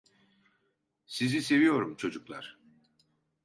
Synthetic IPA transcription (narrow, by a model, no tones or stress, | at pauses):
sizise̞vijo̞ɾumt͡ʃʰo̞d͡ʒuklˠa̰ɾ̥